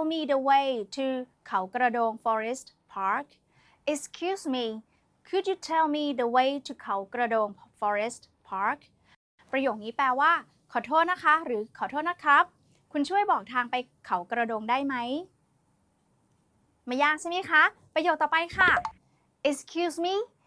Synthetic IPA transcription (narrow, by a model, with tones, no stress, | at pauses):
lmiː˧də˧we˦˧jt̪ʰu˧kʰa˩˦wkɾa˧doː˧ŋfɔː˧ɾe˦˥st̪̚ | pʰaː˦˥k̚ | ʔe˧skʰjuː˦˥smiː˧ | kʰu˧d̚ju˧tʰe˧lmiː˧də˧we˦˥jt̪ʰu˧kʰa˩˦wkɾa˧doː˧ŋfɔː˧ɾe˦˥st̪̚ | pʰaː˦˥k̚ʰ | pɾa˧joː˨˩k̚niː˦˥pɛː˧waː˥˩ | kʰɔː˨˩t̪ʰoː˥˩t̪̚na˦˥kʰa˦˥ɾɯː˩˦kʰɔː˨˩t̪ʰoː˥˩t̪̚na˦˥kʰɾa˦˥p̚ | kʰu˧nt͡ɕʰu˥˩əjbɔː˨˩k̚t̪ʰaː˧ŋpa˧j | kʰa˩˦wkɾa˧doː˧ŋdaː˥˩jma˦˥j | maː˧˩jaː˥˩k̚sa˥˩ma˦˥˩kʰa˦˥pɾa˧joː˨˩t̪̚ːɔː˨˩pa˧jkʰa˥˩ | ʔe˧skʰjuː˧smiː˧